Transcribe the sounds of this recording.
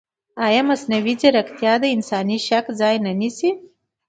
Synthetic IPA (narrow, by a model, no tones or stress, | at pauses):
ɑjɑmasnawid͡ʒaɾakt̪jɑd̪əɪnsɑniʃakzɑjnanisi